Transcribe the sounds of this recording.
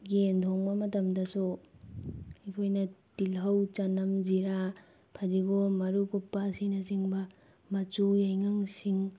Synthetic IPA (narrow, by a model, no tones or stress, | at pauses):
ɡendʰoŋbɐmɐtɐmdɐsu | ikʰojnɐtilɦɐwt͡ʃanɐmziɾa | pʰadiɡomɐɾukupːasinɐsiŋbɐ | mɐt͡ʃujajŋaŋsiŋ